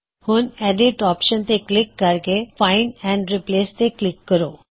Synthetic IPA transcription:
hunɛɖiʈɔːpʃənt̪eklɪkːaɾkefaɪnɛ̃ɳɖɾipleːst̪eklɪkːəɾo

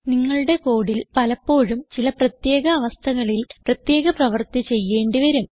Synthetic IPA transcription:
niŋːɐɭuɽe̞ko̞ːɽilpɐlɐpːo̞ːɻumt͡ɕilɐprɐt̪je̞ːɣɐːʋɐst̪ʰɐɣɐɭilprɐt̪je̞ːɣɐprɐʋɐrt̪it͡ɕe̞jːe̞ːɳɖiʋɐɾum

